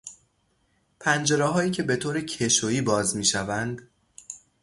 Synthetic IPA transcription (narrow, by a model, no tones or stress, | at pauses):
pʰænd͡ʒe̞ɾɛːɦɒːiːcʰe̞be̞t̪ʰoːɾecʰe̞ʃoiːbɒːzmiːʃævænd̪